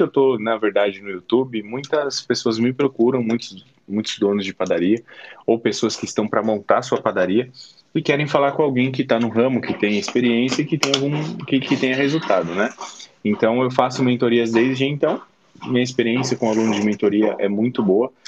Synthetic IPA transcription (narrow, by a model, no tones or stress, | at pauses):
ewt̪onɐveɾd̪ad͡ʒɪnʊiut̪ubɪmũj̃t̪ɐspesoɐzmɪpɾokuɾɐ̃w̃mũj̃t̪ʊ | mũj̃t̪ʊzd̪õnʊzd͡ʒɪpad̪aɾiɐowpesoɐskɪst̪ɐ̃w̃pɾɐmõnt̪aɾsuɐpad̪aɾiɐ | ɪkɛɾẽj̃falaɾkõawɡẽj̃kɪt̪anʊɦɐ̃mʊkɪt̪ẽj̃ɐɪspeɾiẽsjɐɪkɪt̪ẽj̃awɡũkɪkɪt̪ẽj̃ɐɦezuwt̪ad̪ʊnɛẽnt̪ɐ̃w̃ewfasʊmẽnt̪oɾiɐzd̪ezd͡ʒɪẽnt̪ɐ̃w̃ | mĩɲɐɪspeɾiẽsjɐkõalũnʊzd͡ʒɪmẽnt̪oɾiɐʔɛmũj̃t̪ʊboɐ